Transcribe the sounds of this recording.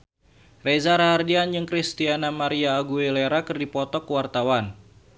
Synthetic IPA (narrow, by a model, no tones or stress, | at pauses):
rezaɾahardiand͡ʒəŋkɾist̪ianamaɾiaːɡueleɾakɨrdipɔt̪ɔkwart̪awan